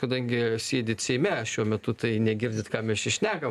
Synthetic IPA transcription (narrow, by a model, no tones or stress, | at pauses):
kɐd̪ɐŋʲɡʲɪsʲiɛd̪ʲɪt̪sʲɛɪmʲɛʃʲuɔmʲɛt̪ʊt̪ɐɪnʲɛɡʲɪrʲd̪ʲɪt̪kɑːmʲɛʃɪʃʲnʲæːɡɐm